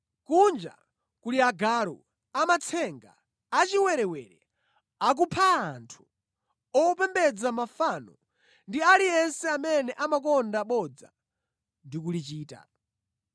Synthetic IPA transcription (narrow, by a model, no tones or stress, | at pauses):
kund͡ʒa̰ | kuliaɡaɾɔ̰ | amat͡sʰɛŋɡa̰ː | t͡ʃiwɛɾɛwɛ̰ːɾɛ | ak̬upʰaːntʰu̥ | ɔpɛmbɛd͡zamafaːnɔ | ndialijɛnsɛamɛnɛʔamak̬ɔndaɓɔd͡za̰ | ndik̬ulit͡ʃiːta̰